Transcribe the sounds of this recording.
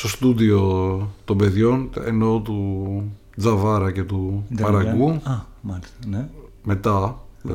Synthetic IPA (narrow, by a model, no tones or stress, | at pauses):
st̪o̞st̪uðio̞t̪o̞mbe̞ðʝo̞nḛno̞t̪u | d͡zɐvɐɾɐce̞t̪upɐɾɐɡuɐ | mɐln | me̞t̪ɐ